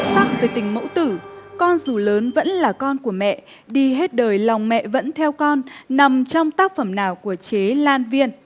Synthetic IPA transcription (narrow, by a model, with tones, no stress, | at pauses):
sa˦˥k̚ve˨˩t̪ï˨˩ŋ̟mə̰˧˥wt̪ɨ˧˩kɔ˧nzu˨˩ləː˨˦nvə̰˧˥nlaː˨˩kɔ˧nku˧˩əmɛ̰˧˨ʔ | ɗi˧ɦe˦˥t̚ɗəː˨˩jla˨˩wŋ͡mmɛ̰˧˨və̰˧˥nt̪ʰɛ˧wkɔ˧nːa˨˩mt͡ɕɔ˧wŋ͡mt̪aː˦˥k̚fə˧˩mnaː˨˩wku˧˩ət͡ɕe˨˦laː˧nvi˧ən